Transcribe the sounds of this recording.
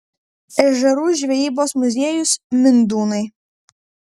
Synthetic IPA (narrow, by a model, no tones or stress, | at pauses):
ɛʒʲɛɾuːʒʲʋʲɛjiːboːsmʊzʲiɛjʊsmʲɪnd̪uːnɐɪ